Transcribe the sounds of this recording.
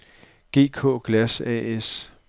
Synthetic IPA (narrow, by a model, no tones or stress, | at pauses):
ɡ̥e̝̰ːkʰɔ̰̽ːɡ̥læsɛ̰es